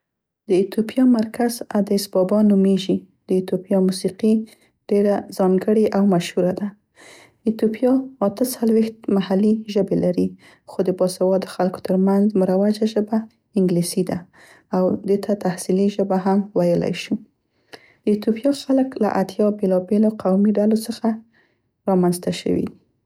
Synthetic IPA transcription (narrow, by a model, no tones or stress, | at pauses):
d̪əɪt̪opijɑmaɾkazad̪asbɑbɑnumeʒi | d̪̥əɪt̪opjɑmusiqi | ɖ̥eɾazɑŋɡəɽeʔawmaʃhuɾad̪a | ɪt̪opjɑat̪ət͡salwext̪̚mahaliʒəbelaɾi | xod̪əbɑsawɑd̪əxalko̥t̪ʰəɾmanzməɾawad͡ʒaʒəba | ɪŋɡlisid̪a | awd̪ət̪ʰat̪ahsiliʒəbaɦamwajəla̰jʃu | d̪̥əjɪt̪opjɑxaləkla̰ʔat̪jɑbelɑbeloqawmiɖalosəxa | ɾɑmanzt̪aʃə̰wḭd̪i